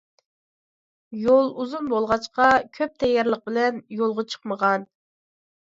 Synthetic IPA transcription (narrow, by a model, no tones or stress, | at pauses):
jolˠuzunbolˠʁɑt͡ʃqɑkʲʰøp̚t̪ʰɛjːɑɾlˠəq̚bɪlɛnjolˠʁɑt͡ʃʰə̥qməʁɑn